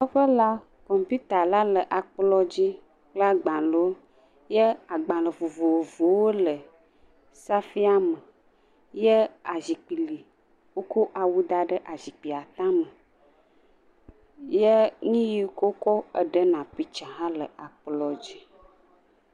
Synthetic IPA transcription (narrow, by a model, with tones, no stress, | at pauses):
ɔ˦ɸə˦la˦ | kɔ˨mpu˦t̪a˨la˦lə˨ʔa˨k͡plɔ˦d͡ʑi˦ | k͡pla˦ɡ͡bã˨lo˨˦ | jə˦a˨ɡ͡bã˨lə˨vo˨vo˨wo˨vo˨wo˦lə˨ | sa˦fi˦a˦mə˨ | jə˦a˨zi˨k͡pi˨li˨ | wo˦ko˦ʔa˨wu˦d̪a˦ɖə˦ʔa˨zi˨k͡pi˨a˨t̪ã˦mə˨ | jə˦ŋĩ˦ji˦ko˦kɔ˦ə˨ɖə˦nã˨pi˦t͡ʃã˨ɦã˦lə˨ʔa˨k͡plɔ˨d͡ʑi˦